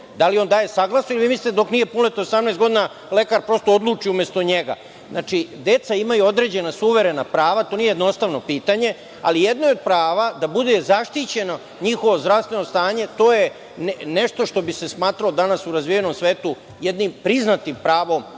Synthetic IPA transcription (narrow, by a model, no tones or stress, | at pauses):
d̪alio̞nd̪aːje̞saɡlasnoiliʋimislit̪ed̪o̞knije̞punlet̪oosamneːsɡo̞d̪ina | le̞kaɾpɾo̞st̪ood̪lˠuːt͡ʂiumjest̪o̞ɲeɡa̰ | znat͡ʂid̪e̞t̪saimajuod̪ɾe̞d͡ʑe̞nasuʋe̞ɾe̞napɾaːʋat̪onijejed̪no̞st̪aʋno̞piːt̪aɲe̞ | a̰lijed̪no̞eo̞d̪̚pɾaːʋad̪abud̪ezaʂt̪it͡ɕe̞no̞ | ɲixo̞ʋo̞zd̪ɾaʋst̪ʋe̞nost̪aːɲe̞t̪o̞ːje | nne̞ʃt̪o̞ʂt̪o̞bise̞smaːt̪ɾalod̪anasuɾazʋijeno̞msʋeːt̪u | jed̪nimpɾiznat̪impɾaːʋo̞m